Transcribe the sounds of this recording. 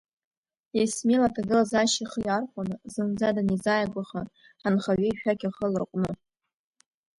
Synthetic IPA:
esmelatʰaɡɨlazaʃiχjarχʷʼanɨzɨnd͡zadanizajaɡʷaχa | ħanχaɥʷeiʃᶣaɡʲaχəlɨrqʷʼnɨ

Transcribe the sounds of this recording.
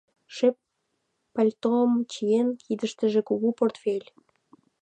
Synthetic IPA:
ʃepː | ɑlʲt̪omt͡ɕijenkid̪əʃt̪ə̆ʒĕkuɣuport̪felʲ

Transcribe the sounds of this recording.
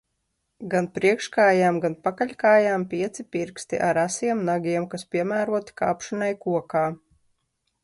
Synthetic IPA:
ɡanpɾiɛkʃkaːjaːmɡanpakaʎʲkaːjaːmpʲiɛt̪sipʲiɾkst̪ḭʔaɾasiɛmnaɡʲiɛmkaspʲiɛmæːɾuɔt̪i̥ka̰ːpʃɔnajkuɔkaː

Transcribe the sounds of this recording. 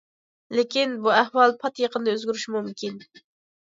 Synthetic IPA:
lekʲinbuæhwɑlˠpʰɑt̪jeqʰənd̪ɑøzɡʲyɾyʃmumkʲin

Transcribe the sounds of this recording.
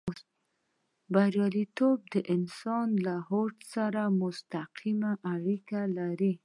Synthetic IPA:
baɾjɑlit̪ob̚d̪əʔɪnsɑnlaɦoʈsaɾamʊst̪aqʰimaʔaɽikalaɾi

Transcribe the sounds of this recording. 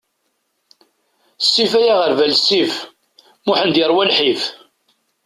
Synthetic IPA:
sːifæjaʁəɾvælsːif | mʊħənd̪jəɾˤwælħif

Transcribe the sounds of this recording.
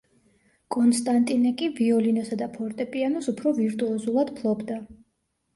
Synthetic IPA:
kʼɔnst̪ʼant̪ʼinɛkʼiviɔlinɔsad̪apʰɔɾt̪ʼɛpʼianɔsupʰɾɔviɾt̪ʼuɔzulˠad̪̥pʰlˠɔbd̪a

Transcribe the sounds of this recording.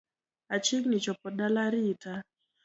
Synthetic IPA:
at͡ʃiŋnit͡ʃɔpɔɗalaɾita

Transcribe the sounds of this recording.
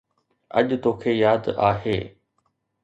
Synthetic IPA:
ɐ̰ʄt̪oːkʰeːjaːd̪aːɦeː

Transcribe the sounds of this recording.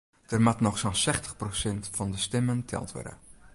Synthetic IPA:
d̥ərmatnɔxsonsɛxtəxprosɛntfɔndəstɪməntʰɛ̰lˠtʰʋɔ̰rdə̰

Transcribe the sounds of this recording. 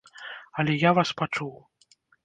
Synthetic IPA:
ɐlʲɛjavaspat͡ʂuw

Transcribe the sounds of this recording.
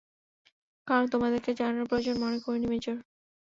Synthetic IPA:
kaɾont̪omad̪eɾked͡ʑanaɾpɾod͡ʑonmonekoɾinimet͡ɕoɾ

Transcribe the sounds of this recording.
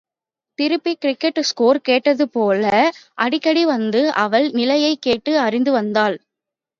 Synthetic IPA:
t̪ɪɾɯpːikɪɾɪkːɛʈːskoːɾkeːʈːɐðɯpoːlɐʔɐɽɪkːɐɽiʋɐnd̪ɯʔɐʋɐɭnɪlɐjɐɪkːeːʈːɯɐrɪnd̪ɯʋɐnd̪aːl

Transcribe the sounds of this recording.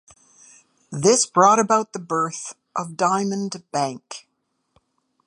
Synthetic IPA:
ðɪsb̥ɹɔɾɨbaʊt̪̚ðəbɜ˞θ | ʔʌvdãɪ̃mɨ̃nb̥æ̃ŋk

